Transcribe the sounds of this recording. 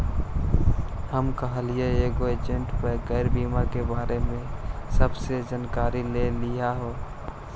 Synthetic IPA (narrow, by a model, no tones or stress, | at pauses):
həmkəɦəlɪjeeːɡoeːd͡ʒə̃ɳʈpəɡɛːɪɾbiːmakebaːɾemẽsəbsed͡ʒənkaːɾilelɪjaɦoː